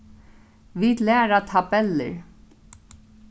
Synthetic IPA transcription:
vid̪lɛːɾat̪ʰabɛlɪ̰ɹ

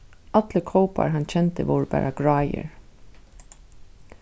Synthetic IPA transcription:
at̪ləkʰɔʊpa̰ɹɦɑnt͡ʃʰɛnt̪əʋoʊɹəbæ̰ːɹʔaɡɹɑːjə̰ɹ

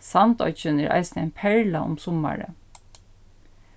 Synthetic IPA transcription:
sɑnt̪ɔ̰ʏçənæːɹʔɑ̰ɪsnæɪnpʰæɹlɑʔʊ̰msɔmɑ̰ɹə̰

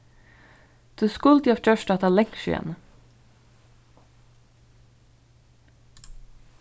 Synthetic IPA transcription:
d̪̥ʉːskʊlt̪jɑft͡ʃœʃʈɑːt̪ʰɑːlɛŋkʃʉ̰ɛ̰n

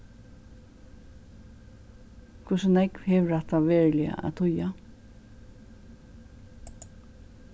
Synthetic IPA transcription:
kʰvʊsənɛkvhɛːʋɾaht̪aʋeːɹlɪa̰ʔa̰t̪ʰʊja

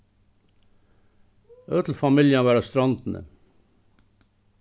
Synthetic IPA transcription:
øːt̪ʰl̩fɑmɪljɑʋæːɾɑst̪ɾɑnd̪n̩ʔə̰

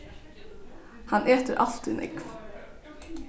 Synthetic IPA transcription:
hɑnʔeːt̪əɾʔɑlt̪ɪnʔɪ̰kv

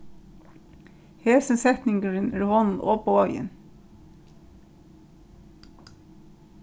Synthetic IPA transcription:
heːsənsɛt̪nɪŋkəɾɪnɛhɔnnɔːpɔɔjɪ̰n

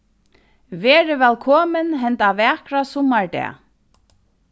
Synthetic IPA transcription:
vɛːɾɪvɛlkʰɔːmɪnɦɛnt̪avɛːkɾasɔmːaɹd̪ɛ̰ː

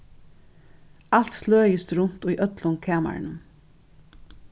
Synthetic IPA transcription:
al̥t̪sløːjɪst̪ɾʊnt̪ʊjʔœt̪lʊnkʰɛːma̰ɹnəm

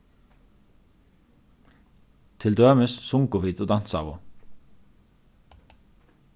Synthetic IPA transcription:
t̪ʰɪld̪øːməssʊŋkʊʋiːd̪oːd̪ɑnsɑ̰ːʋʊ̰

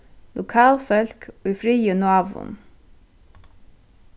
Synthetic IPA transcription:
lʔʊkʰɑːlfœlkʰoːiːfɾiːjʉnʊɑːʋʊ̰n

